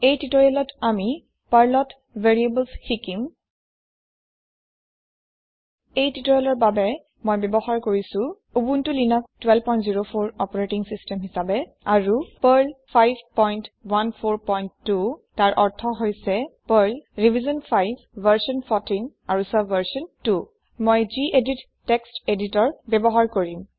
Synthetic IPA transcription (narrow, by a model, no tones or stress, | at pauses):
ejtitɔjɛlɔtami | paɹlɔt | veɹiebəlsxikim | ejtitɔjɔlɔɹbabɛ | mojbɛbɔxaɹkoɹisʊ̃ | ubuntʊlinak̚twɛlpɔj̃ntziɹopʰoɹɔpɔɹetiŋsistɛmɦisabɛ | aɹupəɹlpʰajbpɔjntwanpʰoɹpɔjntːutaɹʔɔɹtʰɔɦojsɛpəɹlɹivʱizɔnpʰajbːəɹsɔnpʰɔtinaɹusabvəɹsɔntu | mojziʔeditːɛksteditɔɹbɛbɔɦaɹkoɹim